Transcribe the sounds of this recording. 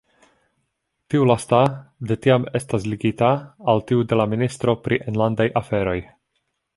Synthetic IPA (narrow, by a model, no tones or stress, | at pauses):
tiulastade̞tiame̞stasliɡitaːltiude̞laministɾo̞pɾʔiʔenlandajʔafe̞ɾo̞j